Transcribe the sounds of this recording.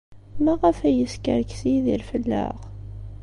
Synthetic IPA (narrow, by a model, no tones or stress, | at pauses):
mæʁəfæjəskə̰ɾksiðilfəlːə̰ʁ